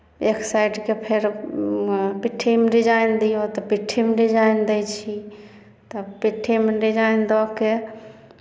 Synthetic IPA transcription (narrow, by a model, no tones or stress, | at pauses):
ekʰsajɖkepʰeɾ | piʈʰːimɖid͡ʒajnd̪ijot̪ɔpiʈʰːimɖid͡ʒajnd̪ɛjt͡ʃʰi | t̪ɔpiʈʰimɖid͡ʒajnd̪ɔke